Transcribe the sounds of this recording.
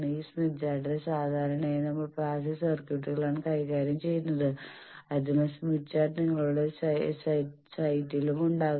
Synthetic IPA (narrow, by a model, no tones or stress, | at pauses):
ɳiːsmitd͡ʑaːɖðesaːd̪ʱaːɾɐɳejnɐmːɐɭpraːs̬esɐrkjuʈːiɣɐɭaːɳɨkɐjkaːɾjɐmt͡ɕe̞jːunːɐðɨ | ɐd̪inesmit͡ɕːaːʈniŋːɐɭuɽess | sɐjtːilumuɳɖaːɣ